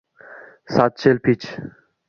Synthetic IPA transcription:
saːt̪̚t͡ʃelpʰit͡ʃ

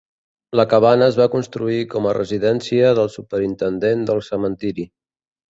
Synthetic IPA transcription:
ləkəβ̞anəːzβakunst̪ɾuikɔmərə̰ziðɛnsiəðəlˠsupəɾint̪ənd̪end̪əlˠsəmənt̪iɾi

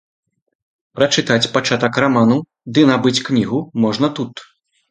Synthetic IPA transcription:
pɾɐt͡ʂɨt̪at͡sʲpat͡ʂat̪ɐkramanu | d̪ɨnabɨt͡sʲknʲiɣumɔʐnɐt̪ut̪

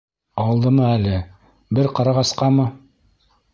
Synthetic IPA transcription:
ɑwɤ̆lˠd̪ɤmɤælɘ | bɘɾqɑɾɑʁɑsqɑmɤ

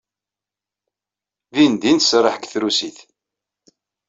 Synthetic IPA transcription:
ðind̪insrˤəħkθɾusiθ

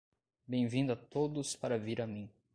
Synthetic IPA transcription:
bẽj̃vĩd̪ʊat̪od̪ʊspaɾɐviɾamĩ

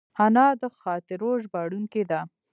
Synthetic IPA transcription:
hanɑd̪əxɑt̪ɪɾoʒbɑɽuŋked̪a

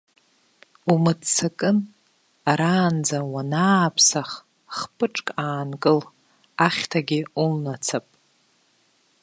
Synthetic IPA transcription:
umɨdt͡sʰakʼɨn | aɾaːnd͡zawanaːpʰsaχ | χpʰʼɨʈ͡ʂʼkʼaːnkʼɨl | aχʲtʰaɡʲɪulnat͡sʰapʼ

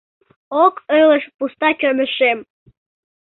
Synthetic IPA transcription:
okøləʃpust̪ɑkʲømə̆ʃem

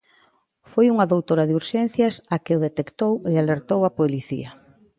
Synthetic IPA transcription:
fojuŋaðowt̪oɾaðuɾʃɛn̟θjasakɪoðet̪ekt̪owealeɾt̪owapoliθḭɐ

